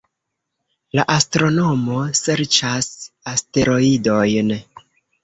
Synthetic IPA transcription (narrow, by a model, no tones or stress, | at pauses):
la̰ʔastɾo̞no̞mo̞se̞ɾt͡ʃasaste̞ɾo̞ido̞jn